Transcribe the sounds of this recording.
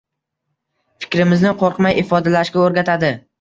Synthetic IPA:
fɪ̥kʲɾɪmɪznɪqʰoɾqmajɪfɒd̪alaʃkʲaoɾɡʲat̪ʰad̪ɪ

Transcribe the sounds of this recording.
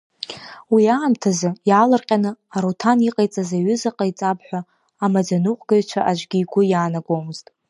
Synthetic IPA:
wiaːmtʰazɨjalarqʲʼanɨaɾotʰaniqʼajt͡sʼazaɥʏzaqʼajt͡sʼapʰħʷaː | mad͡zanuqʷʼɡ̥aɥt͡ʃʷʰaʔad͡ʒʷɡʲiːɡʷʊjaːnaɡʷomɨztʼ

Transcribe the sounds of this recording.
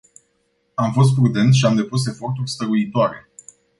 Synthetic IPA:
amfo̞s̬t̪̚pɾud̪e̞nt̪ʃiamd̪e̞pus̬e̞fo̞rt̪urʲst̪əɾuit̪oaɾe̞̰

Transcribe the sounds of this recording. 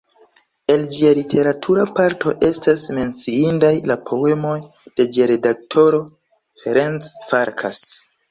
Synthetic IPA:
e̞ld͡ʒialitʰe̞ɾatʰuɾapaɾtʰo̞ʔe̞stasme̞nt͡siindajlapʰo̞e̞mo̞j | d̥e̞d͡ʒiaɾe̞dak̚tʰo̞ɾo̞ | feɾent͡sfaɾkʰas

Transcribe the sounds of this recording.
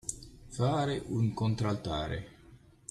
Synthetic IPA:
faːɾeʔuŋkont̪ɾalt̪a̰ːɾḛ

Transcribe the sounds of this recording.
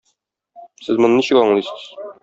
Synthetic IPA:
sɘzmŏnɤniɕɘkɒɴlˠisɤz̥

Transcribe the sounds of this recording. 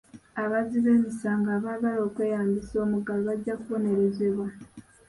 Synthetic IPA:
aβaziβe̞ːmisaːŋɡaːβaβalo̞ːkwe̞ːjaːmbiso̞ːmuɡaluβaɟːakuβo̞ne̞ɾe̞zeβwa

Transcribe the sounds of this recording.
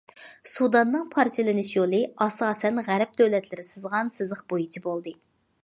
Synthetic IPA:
sud̪ɑnːɨŋpʰɑɾt͡ʃʰilɪnɪʃjolˠɨɑsɑːsɛnʁæɾp̚d̪øwlɛt̪lɪɾɪsɨzʁɑnsɨzəχbojit͡ʃʰibolˠd̪ɨ

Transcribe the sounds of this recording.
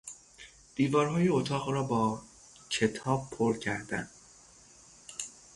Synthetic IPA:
d̪̥iːvɒːɾɦɒːjeot̪ʰɒːʁɾɒːbɒː | cʰe̞t̪ʰɒːb̚pʰoɾcʰæɾd̪æ̰n

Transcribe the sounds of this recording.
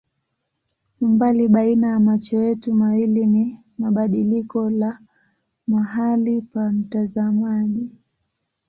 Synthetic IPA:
umbaliɓainajamat͡ʃɔjɛtumawilini | maɓaɗilikɔla | maɦalipam̩tazamaʄi

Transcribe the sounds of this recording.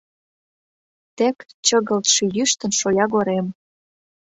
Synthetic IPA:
t̪ekt͡ɕə̆ɣə̆lt̪ʃĕjyʃt̪ə̆nʃojɑɣoɾem

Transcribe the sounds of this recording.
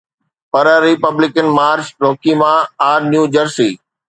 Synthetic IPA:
pɐɾəɾɪpəblɪkənmaːɾt͡ɕɾoːkimãːaːɾnjuːd͡ʑəɾsiː

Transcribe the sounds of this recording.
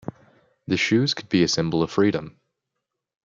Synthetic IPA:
ðɨʃʉz̥kʰəd̚biɨsɪ̃mbl̩ˠʌv̥fɹiɾɨ̃m

